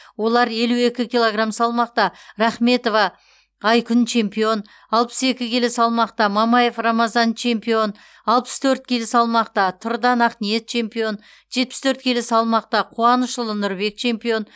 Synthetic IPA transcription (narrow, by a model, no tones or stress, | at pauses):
wo̞lˠɑɾje̞lue̞kʲɪkʲilˠo̞ɡramsɑlˠmɑq̚t̪ɑɾɑχme̞t̪o̞vɑ | ɑjkʲʰʏnt͡ʃʰe̞mpijo̞n | ɑlˠpə̥se̞kʲɪkʲʰe̞lɪsɑlˠmɑqt̪ɑmɑmɑje̞frɑmɑzɑnt͡ʃʰe̞mpio̞n | ɑlˠpə̥st̪ʰɵɾt̪̚kʲʰe̞lɪsɑlˠmɑq̚t̪ɑt̪ʰʊɾd̪ɑnɑqnije̞t̪̚t͡ʃʰe̞mpijo̞n | ʒ̥e̞t̪̚pɪ̥st̪ʰøɾt̪̚kʲʰe̞lɪsɑlˠmɑq̚t̪ɑqʰuɑnəʃəlˠənʊɾbe̞k̚t͡ʃʰe̞mpijo̞n